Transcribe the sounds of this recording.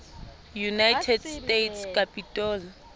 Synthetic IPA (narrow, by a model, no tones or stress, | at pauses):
junajtʰɛdstʼetʰskʼapʼitʼɔːl